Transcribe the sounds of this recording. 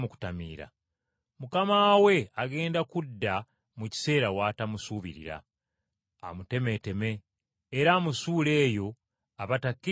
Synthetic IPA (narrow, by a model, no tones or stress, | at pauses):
muku̥tamḭːɾa̰ | mukamaːwe̞aɡe̞ːndakudːa | muci̥se̞ːɾawaːtamusuːβḭɾḭɾa̰ː | mute̞me̞te̞me̞ː | ɾaːmusuːle̞ːjo̞ | aβatakːi